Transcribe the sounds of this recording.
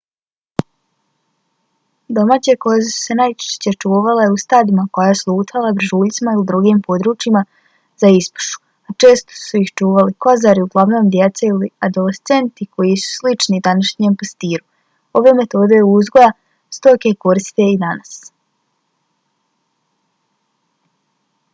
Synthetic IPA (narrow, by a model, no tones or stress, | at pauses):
d̪o̞maːt͡ɕeko̞jezesu̥se̞najt͡ʃe̥ʃt͡ɕe̞t͡ʃuːʋaleust̪aːd̪imako̞jajeslˠuːt̪ʰalˠabɾ̩ʒuːʎʲt̪simailid̪ɾuɡiːmpo̞d̪ɾuːt͡ʃima | zaispu̥ʃu̥ | at͡ʃe̞ːst̪o̞̥suixt͡ʃuːʋaliko̞zaɾiuɡlˠaʋno̞ːmd̪jet̪seiliad̪o̞lest̪se̞nt̪iko̞jisu̥slit͡ʃnid̪anaʃɲempast̪iːɾu | o̞ʋe̞me̞t̪o̞ːd̪e̞juzɡo̞ja | st̪o̞ke̞ko̞ɾist̪t̪eid̪anas